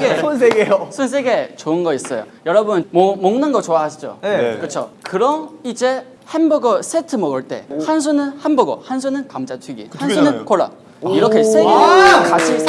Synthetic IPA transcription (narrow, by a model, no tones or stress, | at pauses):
ɡeons̬ʰeɡejosʰuns̬ʰeɡe̞t͡ɕoɯnɡʌis͈ʌjo̰ | jʌɾʌbunnmomʌŋnɯnɡʌt͡ɕoaɦaɕʰid͡ʑo̰ekɯt͡ɕʰokɯɾʌnid͡ʑe̞ | henbʌɡʌs͈ʰetʰɯmʌɡʌɭt͈e̞̰hans̬ʰunɯnhanbʌɡʌ̰hans̬ʰunɯnkamd͡ʑatʰwiɡḭhansʰunɯnkʰoɭa̰ | iɾʌkʰesʰeɡekat͡ɕʰi